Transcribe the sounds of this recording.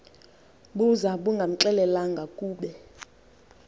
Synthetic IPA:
ɓuzaɓuŋɡʱam̩ǁɛlɛlaŋɡʱakʼuːɓɛ

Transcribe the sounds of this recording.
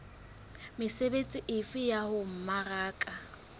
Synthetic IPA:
mɪsebet͡sʼiʔɪfɪjahʊm̩maraːkʼa

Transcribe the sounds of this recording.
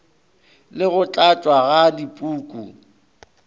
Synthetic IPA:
lɪɣʊt͡ɬʼat͡ʃʼwaɣadipʼuːkʼṵ

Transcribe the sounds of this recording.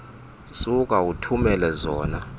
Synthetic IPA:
suk̬ʼautʰumɛlɛzɔːna

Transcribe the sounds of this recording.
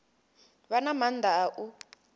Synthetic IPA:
βanamand̪ʱaʔu

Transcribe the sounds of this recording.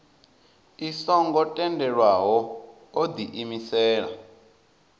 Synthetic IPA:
isɔŋɡɔtʼɛndɛɺwaɦɔ | od̪iʔimisɛːɺa̰

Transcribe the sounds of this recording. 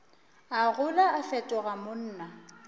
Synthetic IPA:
aɣʊlaːɬɛtʼɔɣamʊn̩ːna

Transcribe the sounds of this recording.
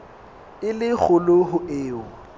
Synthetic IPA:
ɪlɪk͡xʰʊlʊhʊeːʊ

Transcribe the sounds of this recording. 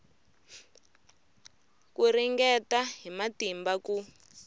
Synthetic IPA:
kuriŋɡɛtaɦimatimbaku

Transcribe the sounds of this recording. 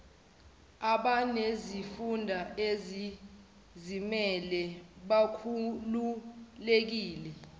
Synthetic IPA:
aɓanezifundʱaezi | zimɛlɛɓakʰululek̬iːlɛ

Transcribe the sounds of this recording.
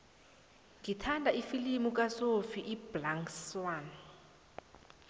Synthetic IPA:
ɡitʰandʱaifilimukʼasofiʔiblaŋswaːn

